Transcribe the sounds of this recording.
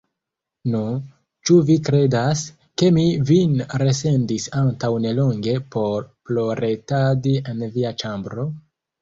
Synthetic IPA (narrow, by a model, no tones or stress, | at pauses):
nu | t͡ʃuvikɾe̞das | ke̞mivinɾe̞se̞ndisantawne̞lo̞ŋɡe̞po̞ɾplo̞ɾetadienviat͡ʃambɾo̞